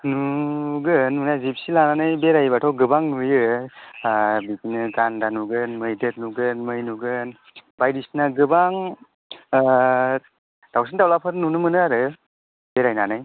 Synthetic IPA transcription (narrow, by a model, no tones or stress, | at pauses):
nuɡɯnːunazip̚silananɯjbeɾajbatʰawɡɯbaŋnujɯ | bikinɯɡandanuɡɯnmɯjdɯt̚nuɡɯnmɯjnuɡɯn | bajdisnaɡɯbaŋ | dawsintawlapʰɯɾnunɯmɯnɯaɾɯ | beɾajnanaj